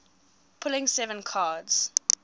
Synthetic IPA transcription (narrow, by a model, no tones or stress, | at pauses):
pʰʊlɪ̃ŋsɛvə̃nkʰaːdz̥